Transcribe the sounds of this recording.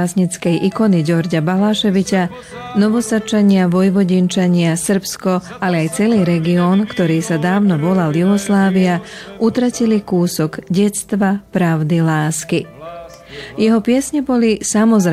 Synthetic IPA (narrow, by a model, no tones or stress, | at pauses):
sɲit͡skɛjʔikɔniɟɔɾɟabalaːʃɛʋica | nɔʋɔsat͡ʃaɲɪaʋɔjʋɔɟint͡ʃaɲɪasr̩pskɔ | alɛajt͡sɛliːɾɛɡiɔːnkt̪ɔɾiːsad̪aːʊnɔʋɔlaljuɦɔslaːʋiaʔut̪ɾacilikuːsɔɡɟɛt͡st̪ʋapɾaʊd̪ilaːski | jɛɦɔpɪɛsɲɛbɔlisamɔzɾ